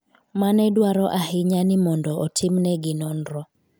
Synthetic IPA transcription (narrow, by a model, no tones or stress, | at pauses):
manɛdwaɾɔʔaɦɪɲanɪmɔndɔʔɔtʰɪmnɛɡɪnɔnɾɔ